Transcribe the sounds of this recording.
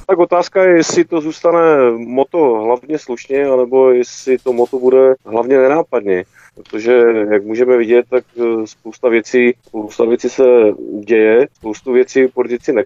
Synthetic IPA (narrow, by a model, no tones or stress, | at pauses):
t̪ako̞t̪aːskajɛjɛsɪt̪o̞zuːst̪anɛmo̞t̪o̞ɦlavɲɛsluʃɲɛanɛbo̞jɛsɪt̪o̞mot̪obudɛɦlavɲɛnɛnaːpad̪ɲɛ | pɾot̪o̞ʒɛjak̚muːʒɛmɛvɪɟɛt̪̚ːakspowst̪avjɛt͡siːspowst̪avjɛt͡sisɛɟɛjɛspowst̪uvjɛt͡siːpoɾt̪ɪt͡sɪnɛ